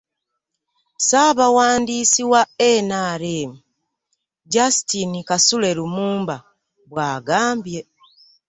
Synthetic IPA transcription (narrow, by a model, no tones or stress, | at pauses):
saːβawaːndiːsiwaenaɾeːmi | ɟasitinikasule̞ɾumuːmba | βwaːɡaːmbje